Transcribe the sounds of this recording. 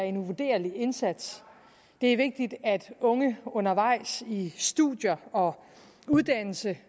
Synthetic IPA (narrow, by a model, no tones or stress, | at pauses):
ɐe̝nuʋud̥e̝̰ːɐlie̝nsæd̥s | d̥e̝æɐʋe̝ɡ̥̚d̥id̥æd̥ɔ̽ŋəɔ̽nɐʋɑ̈ɪ̰sisd̥uðˠjɐɒ̽ | uðˠd̥æn̰l̩sə